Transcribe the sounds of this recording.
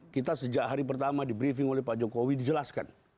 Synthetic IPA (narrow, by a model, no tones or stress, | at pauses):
kit̪asəd͡ʒaʔɦaɾipərt̪amadibɾifɪŋolɛhpad͡ʒokowidid͡ʒəlaska̰n